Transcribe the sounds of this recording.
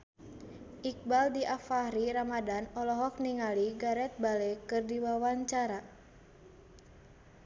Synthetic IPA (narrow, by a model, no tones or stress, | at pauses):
ʔik̚baldiʔafaɾiɾamadanɔlɔɦɔk̚niŋaliɡaɾɛt̪̚balɛkɨrdiwawaɲt͡ʃaɾa